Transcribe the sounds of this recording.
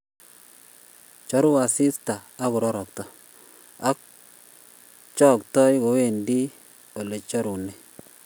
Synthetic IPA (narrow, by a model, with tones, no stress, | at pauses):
t͡ʃɔ˨˦ɾʊ˦wa˨sɪ˦staː˨˦kʊ˨ɾɔ˦ɾɔ˨k̚tɔ˨ | a˦k̚ | t͡ʃɔ˦˨ktɔ˦ɪ˦ko˨we˦˨ndi˦ | o˨le˨t͡ʃɔ˦ɾu˨ne˨